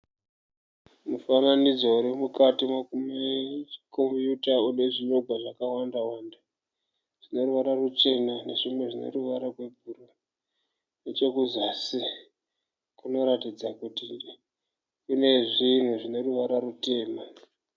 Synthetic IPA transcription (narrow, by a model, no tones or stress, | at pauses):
mufananid͡zwouɾimukatimakumeko̞mpjutaune̞ʐino̞ɡʱwaʐakawandawanda | ʐ̥ino̞ɾuʋaɾarut͡ʃe̞nane̞̰ʐimwe̞ʐinḛruʋaɾaɡwe̞bʱuro | net͡ʃo̞kuzasi | kuno̞ɾatid͡zakutinde | une̞ʐin̤uʐine̞ruʋaɾarute̞ːma